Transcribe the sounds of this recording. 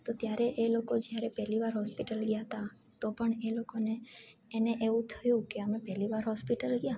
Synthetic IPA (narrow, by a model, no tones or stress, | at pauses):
t̪ot̪jaɾeʔelokod͡ʒjaɾepɛɦliʋaɾɦɔspiʈəlɡjaɦət̪a | t̪opəɳelokoneː | neʔeʋũt̪ʰəjũkeəmepɛliʋaɾɦɔspiʈəlɡja